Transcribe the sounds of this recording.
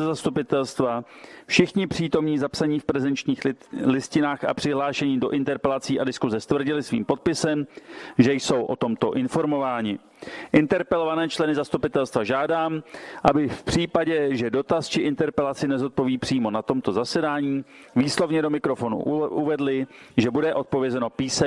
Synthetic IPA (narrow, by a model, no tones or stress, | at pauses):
ɛzast̪upɪt̪ɛlst̪vafʃɪxɲɪpr̝̥iːt̪o̞mɲiːzapsaɲiːfpɾɛzɛnt͡ʃɲiːxlɪscɪnaːxa̰pr̥ɪɦlaːʃɛɲiːdo̞ʔɪnt̪ɛɾpɛlat͡siːʔadɪskuzɛst̪vr̩ɟɪlɪsvḭːmpo̞t̪̚pɪsɛmʒɛjso̞wʔo̞̰t̪o̞mt̪o̞ʔɪnfo̞ɾmo̞vaːɲɪ | ʔɪnt̪ɛɾpɛlo̞vanɛːt͡ʃlɛnɪzast̪upɪt̪ɛlst̪vaʒaːdaːmʔabɪfpr̝̥iːpaɟɛʒɛdo̞t̪ast͡ʃɪʔɪnt̪ɛɾpɛlat͡sɪnɛzo̞t̪̚po̞viːpr̝̥iːmo̞nat̪o̞mt̪o̞zasɛdaːɲiː | viːslo̞vɲɛdo̞mɪkɾo̞fo̞nṵʔuvɛdlɪʒɛbudɛʔo̞t̪̚po̞vjɛzɛno̞piːsɛ